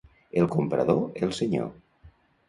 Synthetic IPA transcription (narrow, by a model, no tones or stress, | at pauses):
elˠkompɾa̰ðoelˠseɲo̰